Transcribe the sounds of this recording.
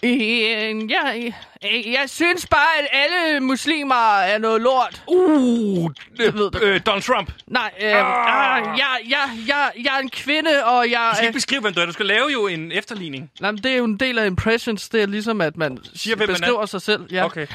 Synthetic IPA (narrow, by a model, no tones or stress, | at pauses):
jæ | jɑ̈ɪsynsb̥ɑ̈ːæd̥æləmuslḭːmɐæɐnɔ̽ːð̩ˠloɐ̰d̥o | ʋe̝ðˠd̥ed̥ɒnsʰʁɑmb̥nɑ̈ɪ̰ | jɑɪjɑɪjɑ̈ɪjɑ̈ɪɐe̝nkʰʋe̝nəɒ̽jɑ̈ɪskæeɡ̥besɡ̥ʁḭʊʋemduæɐdusɡ̥ælɛːʊjo̝e̝nefd̥ɐlḭːne̝ŋnɑɪ̰mənd̥e̝æɐjo̝e̝nd̥e̝̰ːlæe̝mpʰʁeɕənsd̥e̝æɐlis̬ɒ̽mæd̥mænsiɐbesʁḭʊ̰ɐsɑ̈ɪsel̰jækʰe